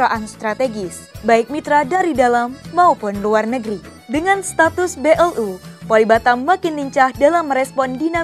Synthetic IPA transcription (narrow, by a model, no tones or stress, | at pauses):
aʔanst̪ɾat̪eɡɪs | baɪk̚mit̪ɾadaɾidalamːaopʊnluarnəɡɾi | dəŋanst̪at̪ʊsbeʔɛlʔupalibat̪amakɪnliɲt͡ʃahdalamɾɛspɔndina